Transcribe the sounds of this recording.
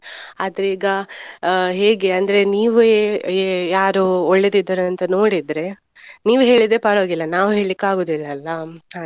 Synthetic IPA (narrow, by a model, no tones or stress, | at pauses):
ɐd̪ɐɾiːɡɐ | ɦe̞ːɡe̞ɐnd̪ɐɾe̞niːʋuejaːɾoɔɭːe̞d̪id̪ːɐɾuɐnt̪ɐno̞ːɽid̪ɾe̞ | niːʋuɦe̞ːɭid̪epɐɾoːɡilːɐnaːʋuɦe̞ːɭikːaːɡoːd̪ilːɐːlːɐɦa